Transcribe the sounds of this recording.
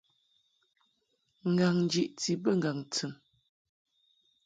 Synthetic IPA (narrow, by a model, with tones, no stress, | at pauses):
ŋ̩˨ɡa˨ŋn˦d͡ʒi˨ʔt͡si˨bə˦˨ŋ˨ɡa˨ŋt͡sɨ˨m